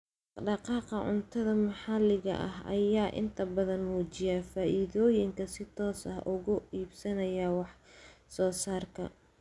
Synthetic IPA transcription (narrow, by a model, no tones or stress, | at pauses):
ɖɑqɑːqɐʕʊ̰nt̪ʰɐðɐmɑħɑlɪɣɐ̰ʔɐɦɐ̰jaːʔɪ̰nt̪ʰɐbɐðɐnmuːt͡ʃɪjafaːʔiːðɔːjɪŋkʰɐsɪt̪ʰɔːsɐhʔʊɣʊiːbsɐnɐjɐwɑħsɔːsaːrkʰɐ̰